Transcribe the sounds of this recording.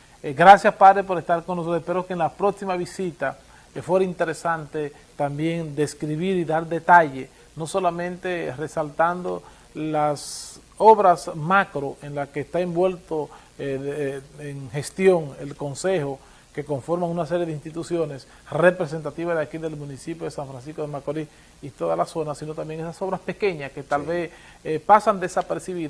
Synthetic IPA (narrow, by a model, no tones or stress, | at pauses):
ɡɾasjaspaðɾepo̞ɾest̪aɾkonːosooespeɾokeːnlapɾo̞ksimaβisit̪a | fwe̞ɾaint̪e̞ɾe̞sant̪e | t̪ambje̞ŋd̪e̞skɾiβiɾiðaɾd̪e̞t̪aʝe | no̞so̞lamẽnt̪e̞re̞salt̪and̪o̞ | las | o̞βɾasmakɾo̞ʔenlakeːst̪aembwe̞lt̪o | eŋhe̞st̪jo̞ŋelko̞nse̞xo | ke̞ko̞ɱfoɾmaŋunas̬e̞ɾje̞ðeinst̪it̪usjo̞ne̞s | re̞pɾes̬e̞nt̪at̪iβazðakiðe̞lmũnisipjo̞ðe̞saɱfɾans̬isko̞ðemakoli | it̪o̞ðalaso̞nasino̞t̪ambje̞ŋesaso̞βɾaspe̞ke̞ɲaske̞t̪alβes | pasand̪esapeɾsiβið